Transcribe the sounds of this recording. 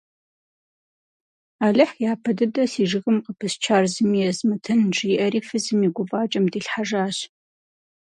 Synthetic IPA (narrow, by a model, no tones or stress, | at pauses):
aːɮɨħjaːpʰɐdɨdɐsiːʐɨɣɨmqəpʰɨst͡ʃʰaːrzɨmijɛzmɨtʰɨnʐiːʔɐɾiːfɨzɨmiɡʷʊvaːt͡ʃʼɐmdiːɬħaʐaːɕ